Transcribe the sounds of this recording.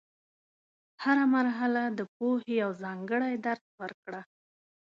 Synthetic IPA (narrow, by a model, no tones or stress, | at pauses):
haɾamaɾɦalad̪əp̚ohejawzɑŋɡəɽajd̪aɾd̪wəɾkɽa